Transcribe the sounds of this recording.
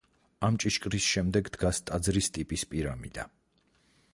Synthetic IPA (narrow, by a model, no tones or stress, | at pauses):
amt͡ʃʼiʃkʼɾisʃɛmd̪ɛɡd̪ɡast̪ʼad̪zɾist̪ʼipʼispʼiɾamḭd̪a̰